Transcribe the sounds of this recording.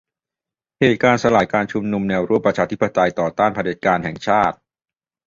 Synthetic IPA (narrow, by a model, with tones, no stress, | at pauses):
heː˨˩t̪̚kaː˧nsa˧laː˨˩kaː˧nt͡ɕʰu˧mnu˧mnɛː˧wɾu˥˩əpɾa˧t͡ɕʰaː˧t̪ʰi˦˥pːa˧t̪a˧jt̪ɔː˨˩t̪aː˥˩npʰa˧deː˨˦˩t̪̚kaː˧nhɛ˨˩ŋt͡ɕʰaː˥˩t̪̚